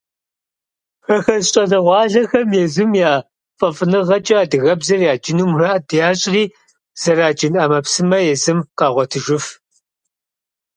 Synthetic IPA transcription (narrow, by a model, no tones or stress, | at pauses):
xɐxɐzɕʼɐɮɐʁʷɑːɮɐxɐmjɛzumjaː | fʼɐfʼɨnɨʁɐt͡ʃʼɐaːdɨɣɐbzɐrjaːd͡ʒɪnuːmraːʔdjaːɕʼʁiː | z̥ɐɾaːd͡ʒɪnɐmɐpsɨmɐjɛzɨmqɑːʁʷɔtʰɨʒɪf